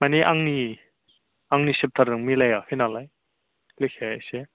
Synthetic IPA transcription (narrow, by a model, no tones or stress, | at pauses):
maniʔaŋni | aŋnisep̚tʰaɾɯŋmilajafʰinalaj | lekʰese